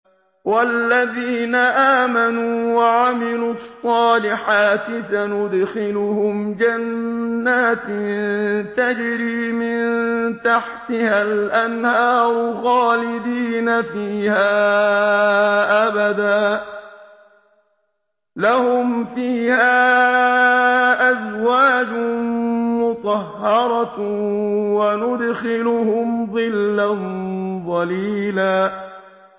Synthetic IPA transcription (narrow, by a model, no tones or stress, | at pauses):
walːaðiːnaʔaːmanuːwaʕamɪluːɑsˤːɑːlɪħaːt̪ɪsanʊd̪xɪlʊhʊmd͡ʒanːaːt̪ | t̪ad͡ʒɪɾiːmɪnt̪aħt̪ɪhalʔanhɑːɾʊɣɑːlɪd̪iːnafiːhaː | ʔabad̪aː | lahʊmfiːhaː | ʔazwaːd͡ʒʊ | mʊt̪ˤɑhːɑɾˤɑ | wanʊd̪xɪlʊhʊmðˤɨlːanðˤɑliːlaː